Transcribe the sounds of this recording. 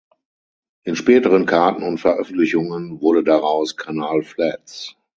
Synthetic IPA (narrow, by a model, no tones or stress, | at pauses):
ʔɪnʃpɛːtəʁ̞ənkʰaɐtn̩ʊntfɛɐʔœfn̩tlɪçʊŋənvʊɐɾədaʁaʊskʰanaːlflɛt͡s